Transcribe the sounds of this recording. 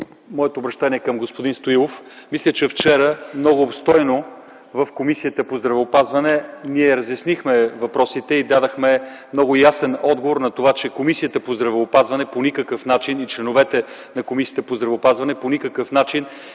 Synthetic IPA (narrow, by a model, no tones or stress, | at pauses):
mɔɛt̪oːbɾɐʃt̪aniɛkɐmɡospod̪inst̪oilˠofmislʲət͡ʃɛft͡ʃɛɾəmnɔɡʊːpst̪ɔjno | vəfkomisijət̪əpozd̪ɾɐvɛopazvɐnɛniɛɾəzjɐsnixmɛvɐpɾɔsit̪ɛid̪ad̪əxmɛmnɔɡʊjasɛnɔd̪̚ɡovoɾnɐt̪ovat͡ʃɛkomisijət̪əpozd̪ɾɐvɛopazvɐnɛponikəkəfnat͡ʃinit͡ʃlɛnovɛt̪ɛ | nɐkomisiət̪əpozd̪ɾɐvɛopazvɐnɛponikəkəfnat͡ʃin